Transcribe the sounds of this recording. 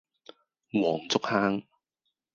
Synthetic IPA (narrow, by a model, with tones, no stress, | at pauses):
wɔː˨˩ŋt͡sʊ˥k̚haː˥ŋ